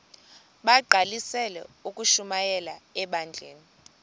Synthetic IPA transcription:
ɓaǃʱalisɛlɛ̰ukʼuʃumajɛlaɛɓand͡ɮʱeːni

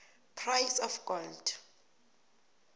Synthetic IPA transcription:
pʰrajsɔfɡ̥ɔld̥

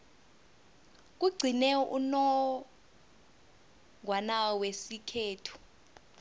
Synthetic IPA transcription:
k̬ʼuɡ͡ǀʱinɛṵnɔ | ŋwanawesikʰeːtʰu̥

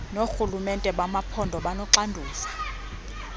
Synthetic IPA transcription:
noxulumɛntʼɛɓamapʰɔndʱɔɓanɔǁandʱuːsḁ

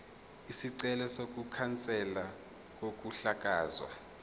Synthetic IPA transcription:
isiǀɛlɛsok̬ukʰant͡sʼɛla | k̬ok̬ʼuɬak̬ʼaːzwa̰

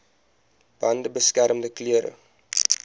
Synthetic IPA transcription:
b̥ɐndəbəskæɾəmdəkliəɾə̰

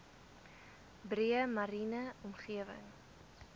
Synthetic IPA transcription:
bɾiəmɐɾinəɔmχiəvə̰ŋ

